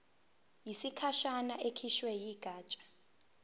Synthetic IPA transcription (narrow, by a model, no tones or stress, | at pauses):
jisikʰaʃanaʔekʰiʃwɛjiːɡ̥ʱaːt͡ʃʼḁ